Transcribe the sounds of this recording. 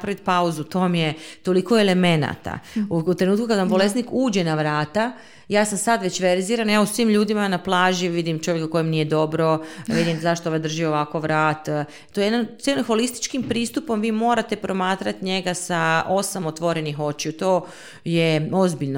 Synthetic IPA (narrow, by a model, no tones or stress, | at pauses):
pɾaʋit̪̚pauzut̪omjet̪o̞liko̞ele̞me̞na̰t̪a̰ut̪ɾenuːt̪kukad̪ʋambo̞lest̪nikuːd͡ʑe̞naʋɾaːt̪a | jaːsamsad̪ʋet͡ɕʋe̞ɾziːɾanjausʋiːmʎuːd̪imanaplˠaːʒiʋid̪imt͡ʃo̞ʋjekako̞jimnije̞d̪o̞bɾo̞ʋid̪imzaʃt̪ooʋad̪r̩ʒioʋako̞ʋɾaːt̪ | t̪ojejed̪anelimxo̞list̪i̥t͡ʃkimpɾiːst̪upo̞mʋiːmo̞ːɾat̪e̞pɾo̞maːt̪ɾat̪ɲe̞ɡasao̞samot̪ʋo̞ɾe̞nixo̞t͡ɕeut̪oː | jeozbiʎno